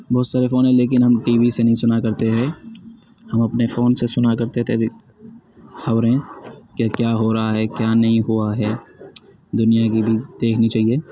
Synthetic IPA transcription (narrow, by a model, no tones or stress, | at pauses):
bɔːt̪saːɾefoːnɦɛ̃leːk̬ɪnɦɐmʈiːʋisenɐɦĩsʊnakɐɾt̪eɦɛ̃ | hɐmɐpnefoːnsesʊnakɐɾt̪et̪ʰebi | xɐʋɾɦẽkakjaːɦoɾɐɦaɦɛkjaːnɐɦĩɦuaɦɛː | d̪ʊnijakibʱid̪̥eːkʰnit͡ʃaːɦieː